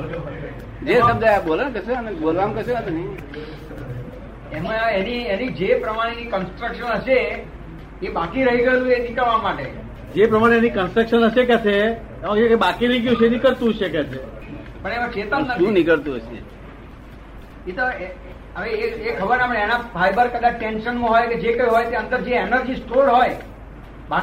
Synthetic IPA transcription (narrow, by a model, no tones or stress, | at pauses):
d͡ʒeəbd͡ʒajabolənkəsenebolʋamkəseət̪oni | emaenienid͡ʒepɾəmaɽ̃enikənsʈɾəkʃənəʃeː | bakiɾəɦiɡəelũenikəɭʋamaʈe | d͡ʒepɾəmaɽ̃eːnikənsʈɾəkʃənəʃek̬at͡ʃʰe | emãkəekebakiliɡjũt͡ʃʰenikəɭt̪ũt͡ʃʰeket͡ʃʰe | pəɳemãt͡ʃet̪ənət̪ũĩnikəɭt̪uɦəʃḛ | et̪oe | əʋeeekʰəbəɾnaməɳɛnafʰajbəɾkəd̪at͡ʃʈenʃənmãɦojked͡ʒekəjɦojt̪eə̃nd̪əɾd͡ʒeenəɾd͡ʒisʈolɦoj | ba